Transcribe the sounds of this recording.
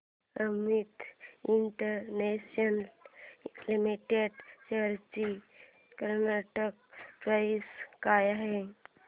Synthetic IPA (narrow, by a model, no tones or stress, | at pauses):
əmit̪iɳʈəɾnesən | limiʈeɖt͡ɕəɾt͡ɕi | kəɾnaʈək̚pɾaiskajaɦe